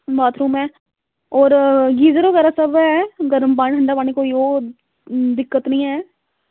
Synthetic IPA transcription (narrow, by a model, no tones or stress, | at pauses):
baːt̪ʰɾuːmɛː | ɔːɾɡiːzəɾoːɡɛːɾaːsəbɛːɡəɾəmpaːɳʈəɳɖaːpaːneːkoːioː | d̪ɪkːət̪nəĩːɦɛː